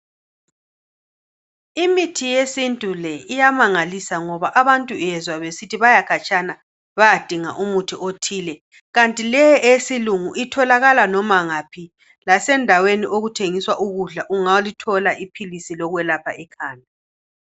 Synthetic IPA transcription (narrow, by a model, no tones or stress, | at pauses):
imitʰijesintʼulɛijamaŋalisaŋɔβaʔaβantʼujɛzwaβesitʰiβajakʰat͡ʃʼana | βajad̥ʱiŋaʔumutʰiʔotʰiːlɛ | ɣantʼilɛʔesiluŋuʔitʰɔlaɣalanɔmaŋapʰi | lasɛndʱaweniʔoɣutʰeŋiswaʔuɣuɮaʔuŋalitʰɔlaʔipʰilisilɔɣwɛlapʰa̰ʔɛkʰaːna